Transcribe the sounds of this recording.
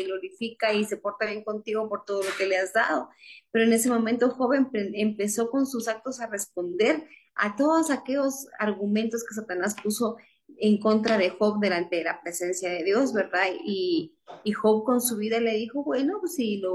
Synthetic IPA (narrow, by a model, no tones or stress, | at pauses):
eɣlo̞ɾifikaise̞po̞ɾt̪aβje̞ŋkont̪iɣo̞po̞ɾt̪o̞ðo̞lo̞ke̞leazd̪a̰ðo̞pe̞ɾoene̞se̞mo̞mẽnt̪o̞xo̞βempeempe̞so̞ko̞nsusak̚t̪o̞sare̞spo̞nd̪e̞ɾ | a̰t̪o̞ðosake̞ʝo̞sa̰ɾɣumẽnt̪o̞skes̬at̪anaspuso̞ | e̞ŋko̞nt̪ɾaðe̞xo̞βd̪e̞lant̪e̞lapɾe̞se̞nsjaðe̞ðjo̞zβe̞ɾðaðiː | xo̞βko̞nsuβiðale̞ðixo̞βwe̞noesilo